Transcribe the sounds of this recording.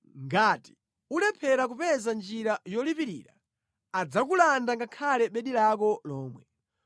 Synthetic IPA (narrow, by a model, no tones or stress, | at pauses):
ŋɡati̥ | ulɛpʰɛɾak̬upɛzand͡ʒiɾajɔlipiɾḭːɾa̰ | ad͡zak̬ulandaŋɡakʰalɛɓɛɗilakɔlɔːmwɛ